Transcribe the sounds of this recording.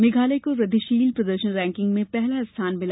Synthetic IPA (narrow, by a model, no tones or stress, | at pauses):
mɪɡʱaːlekoɾɐd̪ʱiʃiːlpɾɐd̪əɾʃənɾɛ̃ːŋkɪ̃ŋɡmẽpɛɦlaɪst̪ʰaːnmɪl